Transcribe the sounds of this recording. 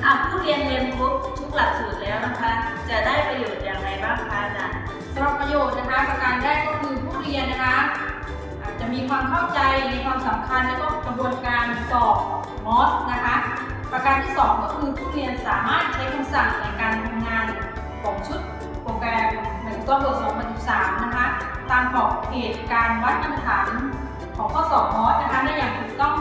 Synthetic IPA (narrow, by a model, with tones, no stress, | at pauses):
ʔa˧˩pʰuː˥˩ɾi˧ənli˧ənt̪ʰu˦˥k̚t̪ʰu˦˥k̚la˨˩t̪̚suː˨˩t̪̚lɛː˦˥wna˦˥kʰa˦˥ | t͡ɕa˨˩daː˥˩jpɾa˧joː˨˩t̪̚jaː˧ŋɾa˧˩jbaː˥˩ŋkʰaː˧˩a̰˧˩ | sa˧bɾa˨˩pːɾa˧joː˨˩t̪̚na˦˥kʰa˦˥pa˧kaː˧ndaː˥˩jkɔː˥˩kʰɯː˧pʰuː˥˩ɾi˧ənːa˦˥kʰa˦˥ | ʔʔaː˨˩t̪̚t͡ɕa˨˩miː˧kʰwaː˧mkʰa˥˩wt͡ɕa˧jna˧kʰwaː˧msa˩˦mkʰa˧nlɛː˦˥wkɔː˥˩ka˧bu˧ənkaː˧nsɔː˨˩p̚ | mɔː˦˥s̚na˦˥kʰa˦˥ | pɾa˧ka˧nt̪ʰiː˥˩sɔː˩˦ŋkɔː˥˩kʰɯː˧pʰuː˥˩ɾi˧ənsaː˩˦maː˥˩t̪̚t͡ɕʰa˦˥jkʰa˧msa˨˩ŋ̚na˧jkaː˧nt̪ʰa˧mŋaː˧n | kʰɔː˩˦ŋt͡ɕʰu˦˥t̪̚ | pɾoː˧kɾɛː˧ma˩˦˨t̪ɔː˧˩bu˨˩ət̪̚sɔː˨˩˦ŋpʰa˧nsi˨˩p̚saː˩˦mna˦˥kʰa˦˥ | t̪aː˧mk̪ʰɔː˨˩k̚a˧heː˨˩t̪̚kaː˧nwa˦˥t̪̚ʔa˧na˧t̪ʰaː˩˦n | kʰɔː˩˦ŋkʰɔː˥˩sɔː˨˩k̚mɔː˦˥t̪̚na˦˥kʰa˦˥da˥˩jaː˨˩ŋt̪ʰu˨˩k̚t̪ɔ˥˩ŋ